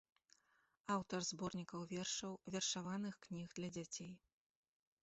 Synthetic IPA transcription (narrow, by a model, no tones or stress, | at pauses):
awt̪ɐrzbɔrnʲikɐwvʲɛrʂɐwvʲɛrʂavanɨxknʲixd̪lʲɐd͡zʲat͡sʲej